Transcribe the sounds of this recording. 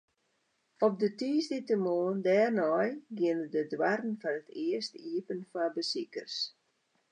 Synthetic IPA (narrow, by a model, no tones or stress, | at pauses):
ɔp̚dətiːsditəmoːndɛːrnɔjɡɪənədədwarn̩fanətʰɪərstiəpənfabəsikə̰rs